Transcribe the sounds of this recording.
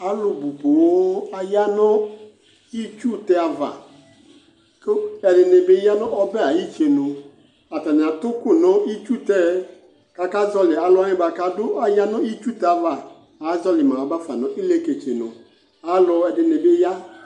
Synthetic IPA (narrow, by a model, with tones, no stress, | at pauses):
a˨˦lʊ˨bu˨bo˨˦a˨ja˦nɔ˦ | i˦t͡ʃu˦tɛ˦a˨va̰˨ | kɪ˦ɛ˨dɪ˨nɪ˨bɪ˦ja˦nɔ̃˦ʔɔ˦bɛ˦˨a˨ji˦t͡ʃe˨nʊ˨ | a˨ta˨nɪ̃˨a˨t̪ʊ˦kʊ˦˨nɔ̃˦i˦t͡ʃu˦tɛ˦ | ka˨ka˦zɔ˦lɪ˨a˨lʊ˦a˦ɲɪ̃˦ba˨ka˨dʊ˦a˨ja˦nɔ̃˦i˦t͡ʃu˦t̪ɛ˦a˨va˨ | a˨˦zɔ˦lɪ˨mã˨a˨ba˦fa˨nɔ̃˨ʔɪ˦le˦ke˨t͡ʃe˨nʊ̰̃˨ | a˨˦lʊ˧ɛ˨dɪ˨nɪ˨bɪ˦ja˦